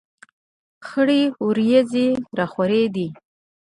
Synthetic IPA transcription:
xəɽiuɾjazeɾaxwaɾed̪i

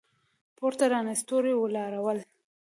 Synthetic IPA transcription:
poɾt̪aɾɑnast̪oɾewəlɑɾawəl

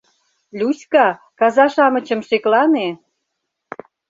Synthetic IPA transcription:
lʲusʲkɑ | kɑzɑʃɑmə̆t͡ɕə̆mʃeklɑne

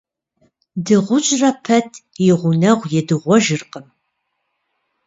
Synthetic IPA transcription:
dɨʁʷʊt͡ʃʼrɐpʰɐtʰjɪʁʷʊnɐʁʷjɛdɨʁʷɔʒɨrqəm

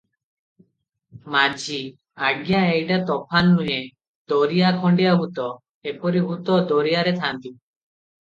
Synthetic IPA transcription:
mad͡ʒi | aɡjãejɖat̪ɔpʰanːuɦẽ | d̪ɔɾijakʰɔɳɖijaɦut̪ɔ | epɔɾiɦut̪ɔd̪ɔɾijaɾet̪ʰant̪i

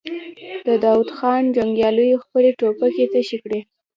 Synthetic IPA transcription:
d̪̥əd̪ɑwud̪xɑnd͡ʒaŋɡjɑləjoxpəleʈopaket̪əʃikɽe

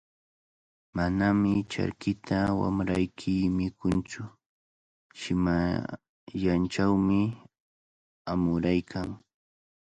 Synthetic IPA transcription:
manamɪt͡ʃa̰ɾkɪt̪ʰawa̰mɾajkʰɪːmɪkʊnt͡sʊ | ʃɪma | jant͡ʃawmɪ | amʊɾajkʰaŋ

